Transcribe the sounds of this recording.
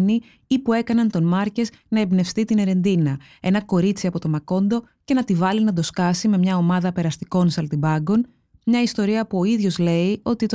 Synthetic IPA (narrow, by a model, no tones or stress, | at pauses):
ni | ipue̞kɐnɐnt̪o̞nmɐɾce̞snɐebne̞fst̪it̪ine̞ɾe̞nd̪inɐ | e̞nɐko̞ɾit͡siɐpo̞t̪o̞mɐko̞nd̪o̞ | ce̞nɐt̪ivɐlinɐd̪o̞skɐsime̞mɲɐo̞mɐðɐpe̞ɾɐst̪iko̞nsɐlt̪ibɐɡo̞n | mɲɐist̪o̞ɾiɐpuo̞iðʝo̞zle̞io̞t̪it̪